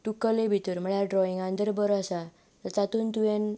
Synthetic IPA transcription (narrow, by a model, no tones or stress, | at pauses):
ʈukəlebʱit̪uɾməɭjaɖɾɔiŋɡãnd̪əɾbəɾasa | t̪ət͡sat̪uːnt̪uʋɛn